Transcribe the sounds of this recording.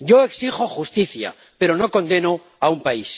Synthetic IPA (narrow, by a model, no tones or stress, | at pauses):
ɟ͡ʝo̞e̞ksiχo̞χust̪iθja̰ | pe̞ɾo̞no̞ko̞nd̪e̞no̞ | aumpais